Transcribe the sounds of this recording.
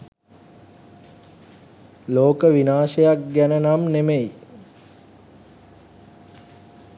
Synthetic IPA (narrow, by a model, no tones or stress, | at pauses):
loːkəʋinaːʃejak̚ɡænənamnemej